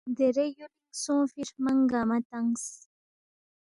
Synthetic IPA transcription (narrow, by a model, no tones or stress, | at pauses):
d̪eɾejoliŋsõːfiɾmaŋɡamat̪aŋs